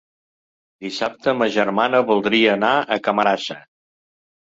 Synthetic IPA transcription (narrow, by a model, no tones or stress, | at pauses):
d̪isap̚t̪əməʒəɾmanəβulˠd̪ɾiəːnaəkəməɾasə